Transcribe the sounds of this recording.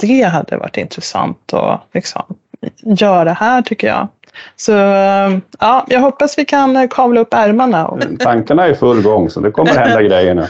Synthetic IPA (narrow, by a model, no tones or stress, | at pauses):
d̪̥ɛɦad̪ːə̰va̰ʈːɪ̰nt̪ɾɛsa̰nt̪ʰɔ̰lɪksɔ̰m | jœːɾaɾɛhæːʈʰʏkːəjɑ̰ː | sɔ | ɑːjʔɑːɡɦɔpːasvɪkʰankʰɑːvlaɵpːæɾmaɳaɔ̰t̪ʰaŋkaɳaæɾjfɵlːɡɔŋːsɔd̪ɛkʰɔmːəɾɛd̪aɡɾɛjːənʉ̰